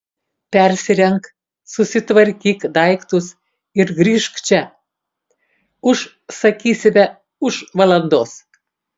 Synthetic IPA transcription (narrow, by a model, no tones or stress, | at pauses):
pʲɛɾʲsʲɪɾʲɛŋk | sʊsʲɪt̪ʋɐɾʲkʲiːkd̪ɐɪkt̪ʊs | ɪɾɡɾʲiːʃkt͡ʃʲɛ | ʊʃ | sɐkʲiːsʲɪmʲɛ | ʊʃʋɐlˠɐnd̪oːs